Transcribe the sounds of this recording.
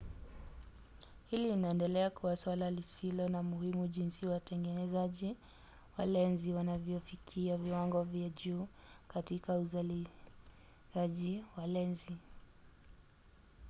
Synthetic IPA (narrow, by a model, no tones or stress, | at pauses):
hilinaɛndɛlɛakuaswalalisilɔnamuhimuʄinsiwatɛŋɡɛnɛzaʄi | walɛnziwanavjɔfikʰiaviwaŋɡɔvjaʄuː | katikauzali | aʄiwalɛnzi